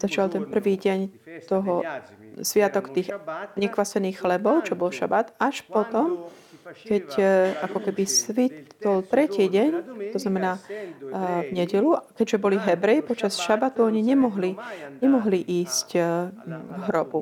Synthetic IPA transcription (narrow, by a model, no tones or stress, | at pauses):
z̥at͡ʃɪalt̪ɛnpr̩ʋiːɟɛɲt̪ɔɦɔsʋɪat̪ɔkt̪iːxɲɛkʋasɛniːxxlɛbɔʊt͡ʃɔbɔlʃa̰bat̪aʃpɔt̪ɔm | kɛcʔakɔkɛbisʋit̪ɔlt̪ɾɛciːɟɛɲt̪ɔznamɛnaː | vɲɛɟɛluakɛɟʒɛbɔliɦɛbɾɛjipɔt͡ʃasʃabat̪uɔɲiɲɛmɔɦliɲɛmɔɦliʔiːsc | ɡɦɾɔbu